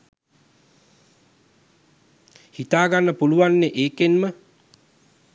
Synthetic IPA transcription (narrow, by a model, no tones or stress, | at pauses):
hit̪aːɡanːəpuluʋanːeʔeːkenmə